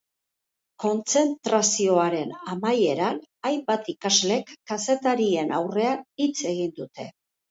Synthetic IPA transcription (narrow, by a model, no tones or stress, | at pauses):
ko̞nt͡se̞nt̪ɾasio̞aɾe̞namaje̞ɾanajmbat̪ikazle̞kːase̞t̪aɾie̞nawre̞anit͡sʰe̞ɣ̞ind̪ut̪e̞